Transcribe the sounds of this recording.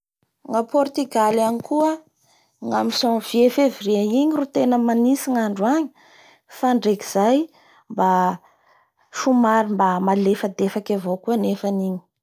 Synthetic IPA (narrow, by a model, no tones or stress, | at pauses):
ŋapɔrt̪yɡalanikuə | ŋamisɔŋv̥iefeviɾiaiɲirut̪enəmanisiŋaɳɖ͡ʐuaɲi̥ | faɳɖ͡ʐeki̥z̥aj | mba | ʃumaɾimbamalefəd̪efakavokuənefaniɲi̥